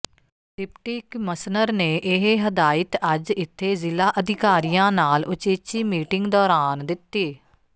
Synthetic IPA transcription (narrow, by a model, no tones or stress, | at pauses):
ʈɪpʈɪkməsnəɾneːʔɪɦeɦəd̪aːɪt̪əd͡ʒɪt̪ʰːeːzɪlaːʔəd̪ɪkaːɾijãːnaːlʊt͡ʃeːt͡ʃiːmiːʈɪŋɡd̪ɔːɾaːnd̪ɪt̪ːiː